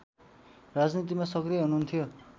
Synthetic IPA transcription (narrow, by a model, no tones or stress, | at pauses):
rad͡znit̪̬imasʌkrijʌɦunuːnt̪ʰijo